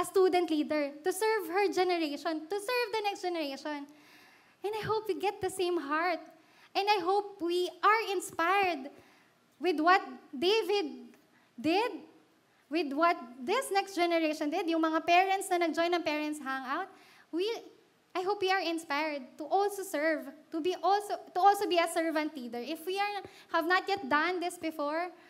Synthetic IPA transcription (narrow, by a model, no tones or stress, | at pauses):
ʔɐst̪uːd̪ɛ̃nt̪liːd̪ɛɹt̪ʊsɛɹvhɛɹd͡ʒɛnɛɹeʃɔ̃nt̪ʊsɛɹvd̪ɐnɛkstd͡ʒ̥ɛnɛɹejʃɔ̃n | ʔɛ̃nd̪ɐjɦowpwiɡɛt̪̚d̪ɐsẽjmɦaɹt̪̚ | ʔɛ̃nd̪ɐjɦowp̚wiʔaɹɪ̃nspajɹd̪ | wɪd̪wɔt̪̚d̪evɪd̪̚ː | ɪd̪̚ | wɪd̪wɐt̪̚ðɪsnɛkstd͡ʒɛnɛɹejʃɔ̃nd̪ɪd̪jʊŋmɐŋapɛɹɐ̃nt̪snɐnɐɡ̚d͡ʒɔjnɐŋpɛɹɛ̃nt̪sɦãŋawt̪̚ | wi | ʔajɦoʊwpwiɐɹɪ̃nspajɹd̪̚t̪ʊʔɔlsosɛɹvt̪ʊbiʔɔlsot̪ʊʔɔlsobiɐsɛɹvɐ̃nt̪̚lid̪ɛɹʔɪfwiaɹ | hɐvnɐt̪̚jɛt̪̚d̪ɐ̃nd̪ɪsbɪfɔɹ